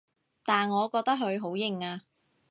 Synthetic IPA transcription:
t̪aː˨nŋɔː˨˧kɔː˧k̚t̪ɐ˥k̚ɦɵ˨˧ɥɦo˨˥wjɪ˨˧ŋaː˧

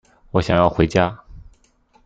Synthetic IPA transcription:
wɔ˧˥ɕjɑ˨˩ŋjɑ˥˩ʊxwe˧˥ɪt͡ɕja˥

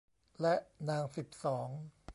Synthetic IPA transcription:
lɛ˦˥ʔnaː˧ŋsi˨˩p̚sɔː˩˦ŋ

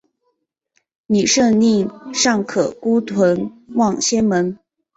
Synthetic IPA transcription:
ni˨˩ʂɤ˥˧ŋni˥˩ŋʂɑ˥˩ŋkʰɤ˨˩ku˥t̪ʰwə˧˥nwɑ˥˩ŋɕjɛ˥nmə˧˥n

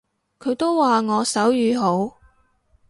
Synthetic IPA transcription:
kʰɵ˨˧ɥt̪o˥wːaː˨ŋɔː˨˧sɐ˨˥wjyː˨˧ɦo˨˥w

